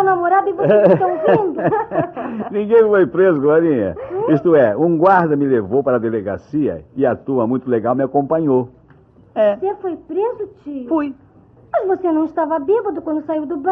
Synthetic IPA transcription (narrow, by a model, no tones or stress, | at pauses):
namoɾad̪ʊɪvotɐ̃wvĩnd̪ʊ | nĩɡẽj̃fojpɾezʊɡlaɾĩɲɐ̰ist̪ʊɛũɡwaɾd̪ɐmɪlevowpaɾɐd̪eleɡa̰siɐ̰ɪat̪ũmɐmũj̃t̪ʊleɡawmɪakõpɐ̃ɲo | vɛsefojpɾezʊt͡ʃifoj | mɐzvosenɐ̃w̃ɪst̪avɐabibɐd̪ʊkwɐ̃nd̪ʊsaiwd̪ʊbɐ̃